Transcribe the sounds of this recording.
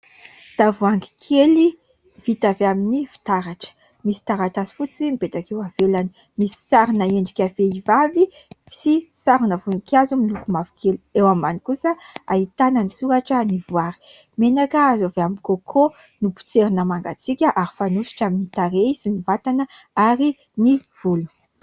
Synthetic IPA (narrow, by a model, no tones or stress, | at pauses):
t̪avuaŋɡi̥kʰeli | v̥it̪aveaminivi̥t̪aɾaʈ͡ʂə̥ | misi̥t̪aɾat̪azi̥fut͡simibet̪akewavelani | misi̥saɾinaeɳɖ͡ʐikʲaveivavi | i̥sisaɾunəvunikʲazumilukumavi̥keluewamanikusəa̰it̪anənisuɾaʈ͡ʂənivuaɾi̥ | menakəazaveamikokʰo | nupu̥t͡seɾinəmaŋɡa̰t͡sikʲəʔaɾifanusi̥ʈ͡ʂaminit̪aɾeizinivat̪anə | aɾi | niv̥ulu̥